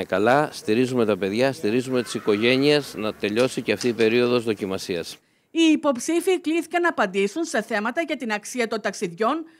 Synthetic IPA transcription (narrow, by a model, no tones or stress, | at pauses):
ekɐlɐst̪iɾizume̞t̪ɐpe̞ðʝɐst̪iɾizume̞t̪i̥siko̞ʝe̞ɲie̞znɐt̪e̞ʎo̞siceɐft̪iːpe̞ɾio̞ðo̞zðo̞cimɐsiɐs | iːpo̞psifikliθi̥kɐnɐːpɐnd̪isunse̞θe̞mɐt̪ɐʝɐt̪inɐksiɐt̪o̞nt̪ɐksiðʝo̞n